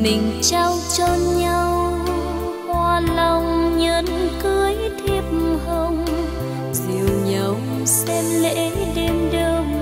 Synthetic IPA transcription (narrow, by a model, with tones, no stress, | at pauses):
mï˨˩ŋ̟t͡ɕa˧wt͡ɕɔ˧ɲa˧w | hwaː˧lə˨˧˩wŋ͡mɲəː˨˦nkɨ˧əjt̪ʰi˧əp̚mmhə˧ŋ͡m | zi˨˩əwɲə˨˦w | sɛ˧mlḛ˧˥ɗe˧mɗɨ˨˧˩əŋ